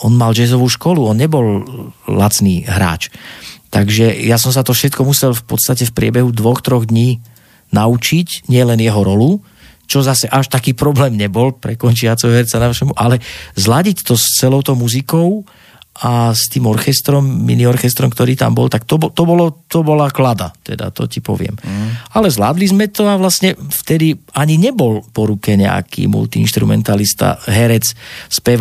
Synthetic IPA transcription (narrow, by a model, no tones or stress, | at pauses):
ɔnmald͡ʒɛzɔʋuːʃkɔluɔnɲɛbɔllat͡sniːɦɾa̰ːt͡ʃt̪aɡʒɛjas̬ɔms̬at̪ɔfʃɛt̪kɔmusɛlfpɔt̪st̪acɛfpɾɪɛbɛɦud̪ʋɔxt̪ɾɔɣd̪ɲiː | naut͡ʃicɲɪɛlɛnjɛɦɔɾɔlu | t͡ʃɔzasɛʔaʃt̪akiːpɾɔblɛːmɲɛbɔlpɾɛkɔnt͡ʃɪat͡sɛɦɔɦɛɾt͡sanaʃɛmuʔalɛzlaɟict̪ɔst͡sɛlɔʊt̪ɔʊmuzikɔʊ | ast̪iːmɔɾxɛst̪ɾɔmːḭniɔɾxɛst̪ɾɔmkt̪ɔɾiːt̪a̰mbɔ̰lt̪akt̪ɔbɔt̪ɔbɔlɔt̪ɔbɔlaklad̪a̰t̪ɛ̰d̪a̰t̪ɔ̰cipɔ̰ʋɪɛ̰malɛzla̰ːd̪lizmɛt̪ɔaʋlasɲɛft̪ɛd̪iaɲiɲɛbɔlpɔɾukɛɲɛ̰a̰kḭːmṵlt̪iḭnʃt̪ɾumɛ̰nt̪alist̪a̰ɦɛɾɛt͡sspɛʋ